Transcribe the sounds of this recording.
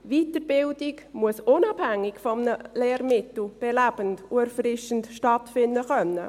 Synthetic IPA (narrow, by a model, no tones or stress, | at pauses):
viːtəɾbɪldɪkmuəsʊnɑbhæŋːɪɡfɔmnəleːɾmɪtl̩b̥ɛlæb̥əntuɛɾfɾɪʃən̩tʃtɑtfɪndəχœnːə̰